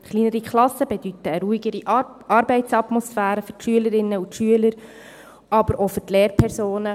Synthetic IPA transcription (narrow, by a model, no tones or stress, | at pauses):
χliːnəɾikʰχlɑsəbed̥yt̪əːɾuiɡəɾi | ɑɾbɛɪtsɑt̪mɔsfæːɾəfʏɾtʃyələɾɪnːəutʃyələɾ | ɑbəɾʔofʏɾtleːɾpʰɛɾsoːnə